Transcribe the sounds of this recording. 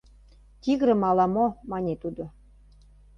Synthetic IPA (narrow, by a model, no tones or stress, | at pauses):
t̪ʲiɣɾə̆mɑlɑmomɑnʲet̪ud̪o